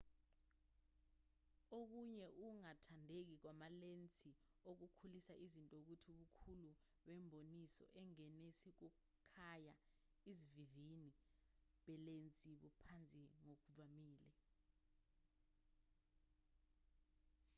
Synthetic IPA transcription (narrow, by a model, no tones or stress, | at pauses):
ok̬uɲɛʔuŋatʰandʱek̬ik̬wamalent͡sʼi | ok̬ukʰulisaizintʼok̬utʰiuɓukʰulu | ɓɛmbʱonisɔ̰ʔɛŋɛnesik̬uku | kʰaja | iziviviniɓɛlent͡sʼiɓupʰant͡sʼiŋok̬uvamiːlɛ